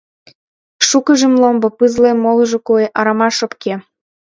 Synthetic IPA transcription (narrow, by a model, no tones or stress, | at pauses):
ʃukəʒə̆mlombopɯzlemːolʒŏkueʔɑɾɑmɑʃopke